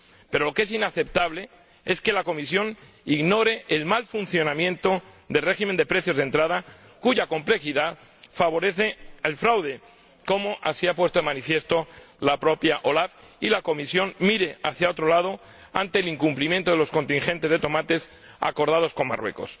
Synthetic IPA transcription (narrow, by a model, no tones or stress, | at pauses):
pe̞ɾo̞lo̞ke̞sinaθe̞p̚t̪aβ̞le̞ | e̞ske̞lako̞misjo̞n | iɣno̞ɾe̞elmalfun̟θjo̞nãmjẽ̞nt̪o | d̪e̞lre̞ximend̪e̞pɾe̞θjo̞zðe̞nt̪ɾað̞a | kuʝako̞mple̞xiðað | faβ̞o̞ɾe̞θeelfɾawðe̞ | ko̞moʔasiapwe̞st̪omanifje̞st̪o | lapɾo̞pjaʔolafilako̞misjo̞nmiɾe̞aθjao̞t̪ɾo̞lað̞o̞ | a̰nt̪e̞ːliŋkumplimjent̪o̞ð̞e̞lo̞sko̞nt̪iŋxe̞nt̪e̞zðe̞t̪o̞mat̪e̞s | a̰ko̞ɾð̞að̞o̞sko̞mma̰rwe̞̰ko̞̰s